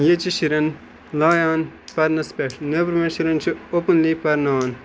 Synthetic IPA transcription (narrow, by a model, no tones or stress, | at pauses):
jet͡ʃiʃiɾɐn | laːjaːnpɐɾnɐspekʈnebɾmeʃiɾɐnt͡ʃʰiopənliːpɐɾnaːn